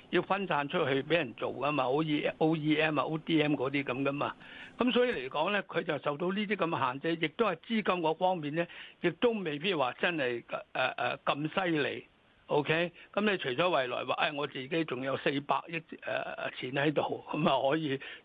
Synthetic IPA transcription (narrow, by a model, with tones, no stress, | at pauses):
ji˧wfɐ˥nsaː˧nt͡ʃʰɵ˥t̚hɵ˧ɥpe˨˥jɐ˨˩nt͡so̰˨wkɐ˥maː˧o˥iː˥ɛʔo˥wiː˥ɛː˥maː˨˧ʔo˥wt̪iː˥ɛː˥mkɔː˨˥t̪iː˥kɐ˨˧˥mkɐ˥maː˧kɐ˨˥msɔː˨˥jiː˨˧le˨˩jkɔː˨˥ŋlɛː˥kʰɵ˨˧ɥt͡sɐ˨wsɐ˨wt̪o˧wniː˥t̪̬iː˥kɐ˧m˧ɦaː˨nt͡sɐ˧˥jɪ˨k̚t̪whɐ˨˩jt͡siː˥kɐ˥mkɔː˧fɔː˥ŋmiː˨nlɛː˥jɪ˨k̚t̪o˥wme˨˩jpi˥t̚waː˨t͡sɐ˥nhɐ˨jʔɛː˨ʔɛ̰ː˨˩kɐ˧msɐ˥jlḛ˨j | ʔo˥wkʰe˥jkɐ˨˦mle˨˧jt͡ʃʰɵ˨˩jt͡ʃɔː˨˥wɐ˨jlɔ̰ː˨˩jwaː˨˩ʔɐ˧jŋɔː˨˧t͡siː˨ke˨˥jt͡sʊ˨ŋjɐ˨˧wse˧jpa̰ː˧k̚jɪ˥t̚ɛ̰ː˨t͡sʰiː˨˥nhɐ˨˥jt̪o˨wkɐ˨˦maː˨˧hɔː˨˥jiː˧